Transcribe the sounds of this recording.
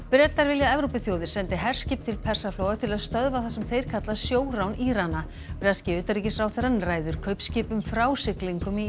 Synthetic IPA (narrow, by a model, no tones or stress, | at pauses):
pɾɛt̪aɾvɪljaɛvɾowpɪθjowðɪɾ̥sɛnt̪ɪɦɛr̥scɪːp̚t̪ʰɪlpʰɛr̥safloːwɣat̪ʰɪlaðst̪œðvaθasɛmθejɾ̥kʰat̪lasjoːwɾawniːɾana | pɾɛscɪʏːt̪aɾiːcɪsfɾawθɛɾanraːjðʏɾ̥kʰœɥpscɪːpʏmfɾaːwsɪkliŋkʏmi